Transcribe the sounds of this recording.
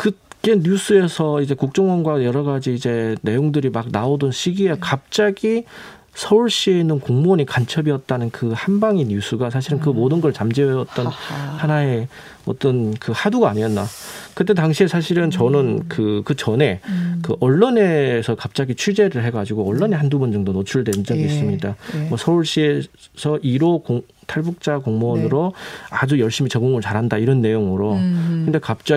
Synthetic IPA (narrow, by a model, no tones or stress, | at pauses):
kɯt̚k͈e̞ɲus͈ʰue̞sʰʌid͡ʑe̞kuk̚t͡ɕ͈ʌŋwʌnɡwajʌɾʌɡad͡ʑiːd͡ʑe̞ne̞joŋdɯɾimak̚naodɯnɕʰiɡiekap̚t͡ɕ͈aɡi | sʰʌuɭɕ͈ie̞nɯnkoŋmoɲikant͡ɕʰʌbiʌt̚t͈anɯnkɯhambaŋinjus͈ʰuɡas̬ʰaɕʰiɾɯnk̬ɯmodɯnɡʌɭt͡ɕamd͡ʑiʌjʌt̚t͈ʌnhanae̞ | ʌ̰t͈ʌnkɯhaduɡaːɲiʌnːa̰kɯt͈e̞t̬aŋɕʰiesʰaɕ̬ʰiɾɯnt͡ɕʌnɯnkɯkɯt͡ɕʌne̞kɯʔʌɭːone̞sʰʌkap̚t͡ɕ͈aɡit͡ɕʰud͡ʑe̞ɾɯɭɦe̞ɡad͡ʑiɡoʌɭːʌne̞handubʌnd͡ʑʌŋdonot͡ɕʰuɭdwe̞nd͡ʑʌɡiːs͈ɯmɲidamwʌsʰʌuɭɕ͈ie | sʰʌʔiɾokoŋ | tʰaɭbuk̚t͡ɕ͈akoŋmonɯɾoad͡ʑujʌɭɕ͈imit͡ɕʌɡoŋɯɭt͡ɕaɾɦandaiɾʌnːe̞joŋɯɾokɯnde̞kap̚t͡ɕ͈a